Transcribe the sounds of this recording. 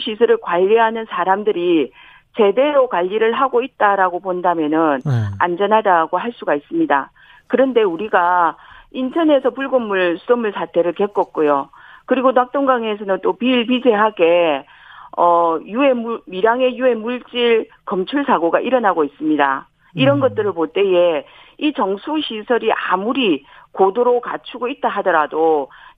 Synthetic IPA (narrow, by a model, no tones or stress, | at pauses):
ɕʰisʰɯɾɯɭkwaʎːiɦanɯnsʰaɾamdɯɾi | t͡ɕe̞de̞ɾokwaʎːiɾɯɭɦaɡoit̚t͈aɾaɡopondamjʌnɯna̰nd͡ʑʌnɦadaɡoɦaɭs͈uɡais͈ɯmɲida̰ | kɯɾʌnde̞uɾiɡa | intʰʌne̞sʰʌpuɭɡʌmːuɭsʰudʌmːuɭsʰatʰe̞ɾɯɭke̞k͈ʌk̚k͈ojokɯɾiɡonak̚t͈oŋɡaŋe̞s̬ʰʌnɯnt͈opiːɭpid͡ʑʰe̞ɦaɡe̞ | ʌjue̞mmiɾaŋe̞jue̞muɭt͡ɕ͈iɭ | kʌmt͡ɕʰuɭsʰaɡoɡaʔiɾʌnaɡois͈ɯmɲida̰ | iɾʌnɡʌt̚t͈ɯɾɯɭpot͈e̞je̞ | it͡ɕʌŋsʰuɕʰisʰʌɾiʔamuɾikodoɾoka̰t͡ɕʰuɡoit̚t͈aɦadʌɾado